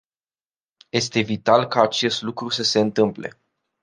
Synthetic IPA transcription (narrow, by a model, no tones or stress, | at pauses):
je̞st̪e̞vit̪alkaːt͡ʃe̞st̪lukɾusəse̞ɨnt̪ɨmple̞̰